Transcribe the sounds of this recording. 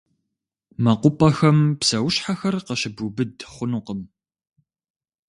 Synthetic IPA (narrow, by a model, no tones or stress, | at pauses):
mɐqʷʊpʼɐxɐmpsɐwɕħaxɐrqəɕɪbubɨdχʷʊnuqəm